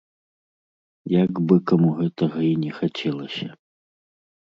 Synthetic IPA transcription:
jaɡbɨkamuɣɛt̪ɐɣɐinʲɛxat͡sʲɛlˠɐsʲɐ

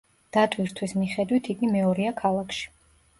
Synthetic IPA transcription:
d̪̥at̪ʼwiɾt̪ʰwismiχɛd̪wit̪ʰiɡimɛɔɾiakʰalˠakʰʃi̥

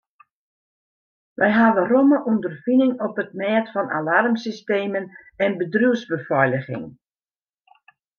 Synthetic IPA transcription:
ʋɛjɦaʋəroməʔundərfinɪŋɔpət̚mɛːtfɔnʔa̰larmsisteːmənɛnbədruwzbəfɔjləɣɪ̰ŋ

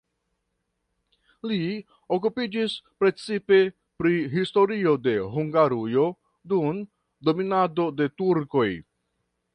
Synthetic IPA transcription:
li | o̞k̬upid͡ʒispɾe̞t͡sipe̞ | pɾiɦisto̞ɾio̞de̞ɦuŋɡaɾujo̞ | dun | do̞minado̞de̞tuɾko̞j

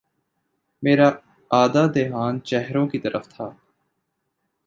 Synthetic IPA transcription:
meːɾaː | aːd̪aːd̪eːɦaːnt͡ʃɛɦɾõːkit̪əɾʔəft̪ʰaː

